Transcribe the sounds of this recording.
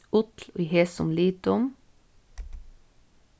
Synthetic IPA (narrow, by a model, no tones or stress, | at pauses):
ʊt̪l̩̰iːheːsʊ̰mliːt̪ʊm